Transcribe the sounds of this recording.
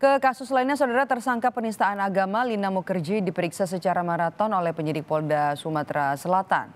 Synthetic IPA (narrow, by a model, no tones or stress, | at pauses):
kəkasʊslainɲas̬awdaɾat̪ərsaŋkapənist̪aːnaɡamalinamokərd͡ʒidipəɾiksas̬ət͡ʃaɾamaɾat̪ɔnolɛhpəɲədɪk̚pɔldasumat̪ɾasəlat̪a̰n